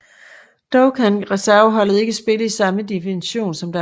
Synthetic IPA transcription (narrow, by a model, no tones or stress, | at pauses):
d̥oʊkʰænʁɛsæɐəɦɒ̽l̰ð̩ˠe̝ɡ̥æsb̥e̝ləisɑ̈məd̥ifiniɕo̝̰ːnsɒ̽md̥æ